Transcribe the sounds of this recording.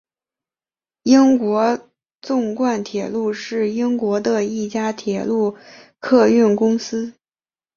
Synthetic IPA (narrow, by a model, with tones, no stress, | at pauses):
i˥ŋkwɔ˧˥ | t͡sʊ˥˧ŋkwa˥˩nt̪ʰjɛ˨˩lu˥˧ʂɻ̩˥˩i˥ŋkwɔ˧˥d̪ə˧i˥˩t͡ɕja˥t̪ʰjɛ˨˩lu˥˧kʰɤ˥˧y˥˩nkʊ˥ŋsɹ̩˥